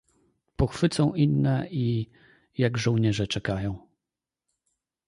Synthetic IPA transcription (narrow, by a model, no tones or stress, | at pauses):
pɔxfɘt̪sɔ̃w̃ʔinːɛi | jaɡʐɔ̃w̃ɲɛʐɛt͡ʂɛkajɔ̃w̃